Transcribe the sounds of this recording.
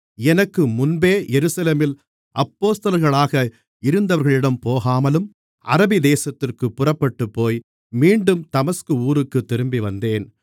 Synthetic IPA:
ɛnɐkːɯmʊnbeːjɛɾɯsɐleːmɪl | ʔɐpːoːst̪ɐlɐɾɣɐɭaːɣɐ | ɪɾɯnd̪ɐʋɐɾɣɐɭɪɽɐmpoːɣaːmɐlɯm | ʔɐ̰ɾɐbɪd̪eːsɐt̪ːɪrkɯpːʊrɐpːɐʈːɯpːoːj | miːɳɖɯmt̪ɐmɐskɯuːɾɯkːɯt̪ːɪɾɯmbiʋɐnd̪eːn

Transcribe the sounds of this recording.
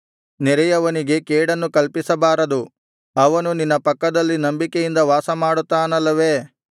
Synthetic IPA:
niɾɛjɐʋɐniɡe̞keːɽɐnːukɐlpisɐbaːɾɐd̪u | ɐʋɐnuninːɐpɐkːɐd̪ɐlːinɐmbikejind̪ɐʋaːsɐmaːɽut̪ːaːnɐlːɐʋe̞ː

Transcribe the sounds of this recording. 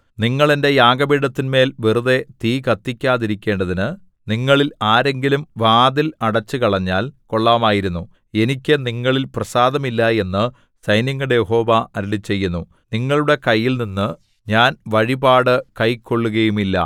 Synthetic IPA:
niŋːɐɭende̞jaːɡɐbiːɽɐt̪ːinme̞ːlʋiruðe̞t̪iːkɐt̪ːikʲːaːðiɾikʲːe̞ːɳɖɐðinɨ | niŋːɐɭilaːɾe̞ŋɡilumʋaːd̪ilɐɽɐt͡ɕːɨkɐɭɐɲːaːlko̞ɭːaːmaːjiɾunːu | e̞nikʲːɨniŋːɐɭilprɐsaːd̪ɐmilːɐe̞nːɨ | sɐjnɐŋːuɽejeho̞ːʋɐɐɾiɭit͡ɕːe̞jːunːu | niŋːɐɭuɽe̞kɐjːilninːɨ | ɲaːnʋɐɻibaːɽɨkɐjkːo̞ɭːuɣɐjumilːɐ̰

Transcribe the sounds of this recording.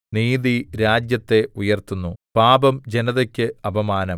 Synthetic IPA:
niːðiɾaːd͡ʑjɐt̪ːe̞ujɐrt̪unːupaːbɐmd͡ʑe̞nɐðɐkʲːɨɐbɐmaːnɐm

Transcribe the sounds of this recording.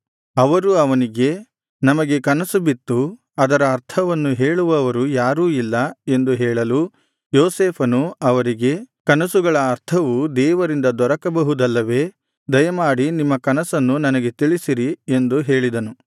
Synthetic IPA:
ɐʋɐɾuɐʋɐniɡe̞ | nɐmɐɡe̞kɐnɐsubit̪ːu | ɐd̪ɐɾɐːɾt̪ʰɐʋɐnːuɦeːɭuʋɐːʋɐɾujaːɾuːilːɐe̞nd̪uɦɛːɭɐlu | joːseːpʰɐnuɐʋɐɾiɡe̞kɐnɐsuɡɐɭɐːɾt̪ʰɐʋud̪ɛːʋɐɾind̪ɐd̪ɔɾɐkɐbɐɦud̪ɐlːɐʋe̞ː | d̪ɐjɐmaːɽinimːɐkɐnɐsɐnːunɐnɐɡe̞t̪iɭisiɾie̞nd̪uɦe̞ːɭid̪ɐnu

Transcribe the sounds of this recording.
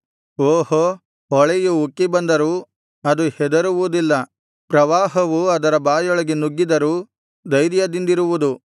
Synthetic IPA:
oːɦo | ɔɭejuukːibɐnd̪ɐɾuː | ɐd̪uhɛd̪ɐɾuʋud̪ilːɐ | pɾɐʋaːɦɐʋuɐd̪ɐɾɐbaːjɔɭɐɡenuɡːid̪ɐɾuː | d̪ɐjɾjɐd̪ind̪iɾuʋud̪u

